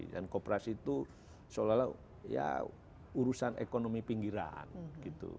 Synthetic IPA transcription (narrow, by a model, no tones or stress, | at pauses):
da̰nkopɾasit̪u | solala | ja̰ | uɾusanḛkonomipiŋɡiɾa̰nɡit̪ṵ